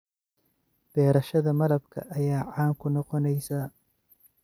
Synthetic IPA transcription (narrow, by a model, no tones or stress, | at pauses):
b̥ɛːɾɐʃɐðɐmɐlɐbkʰɐ̰ʔɐjaːʕaːŋkʰʊnɔqɔnɛjsaː